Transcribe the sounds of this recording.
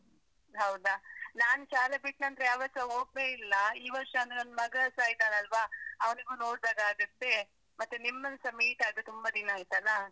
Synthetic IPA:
ɦɐwd̪anaːnʃaːlebiʈnɐnd̪ɾejaːʋɐsɐoːɡ̚leilːɐiːʋɐɾʂɐɐnd̪nɐnmɐɡɐsaːjid̪aːnɐlʋaɐʋniɡuːno̞ːɽd̪aːɡaːɡɐt̪ːe̞ | mɐt̪ːenimːɐnsɐmiːʈaːd̪et̪umbɐd̪inaːjit̪ɐlːɐ

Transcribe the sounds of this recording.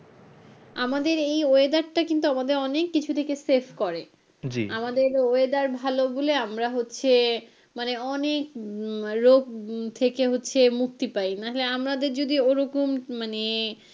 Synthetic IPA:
amad̪eɾejoed̪aɾʈakint̪̬uamad̪eɾɔnekːit͡ɕʰut̪ʰekesefʰkɔɾe | d͡ʑḭamad̪eɾoed̪aɾbʱaloboleamɾaɦotːɕʰe | maneɔnek | ɾoɡt̪ʰekeɦotːɕʰemukt̪ipajnaɦoleamɾad̪eɾd͡ʑod̪ioɾokommane

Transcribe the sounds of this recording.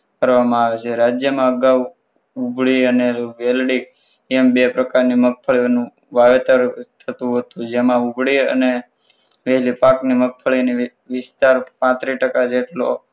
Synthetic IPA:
kəɾʋamãaʋet͡ʃʰeɾad͡ʒjəmãəɡaʋ | ubʱɭiəneʋelɽik̚ | ɛmbepɾəkaɾnimək̚fʰəɭinũ | ʋaʋet̪əɾt̪ʰət̪ũɦət̪ũd͡ʒemãubʱɭiə̰ne | ʋeɦlipaknimək̚fʰəɭini | ʋɪst̪aɾpãt̪ɾiʈəkad͡ʒeʈlo̰

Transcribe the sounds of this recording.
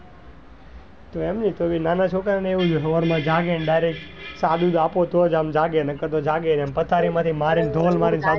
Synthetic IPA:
t̪oemnit̪obinanat͡ʃʰokaɾneʋũd͡ʒuɦəʋəɾmãd͡ʒaɡenɖajɾek̚ʈsad̪ud̪apot̪ʰod͡ʒamd͡ʒaɡenəkəɾt̪od͡ʒaɡenampət̪ʰaɾimãt̪ʰimaɾind̪ʱolmaɾinsad̪

